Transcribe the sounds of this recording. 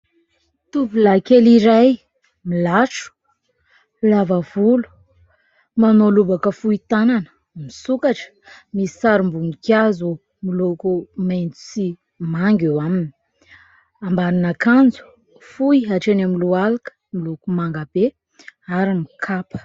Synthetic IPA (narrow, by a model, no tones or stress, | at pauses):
t̪upulakeliɾaj | milaʈ͡ʂu̥ | lavavulu̥ | manolubakəfuit̪ananə̥ | misukaʈ͡ʂə̥misi̥saɾumbumikjazu | milokumajnt͡su̥si | maŋɡewamini̥ | ambaɾinakand͡zu̥ | fujaʈ͡ʂenamilualakə̥milukumaŋɡab̥e | aɾimikʰapə̥